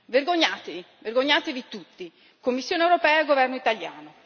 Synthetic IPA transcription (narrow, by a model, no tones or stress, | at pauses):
verɡoɲːaːt̪evi | verɡoɲːaːt̪evit̪ut̪ːi | komːisːjoːnewɾopɛːaeɡːovɛrnoit̪aljaːno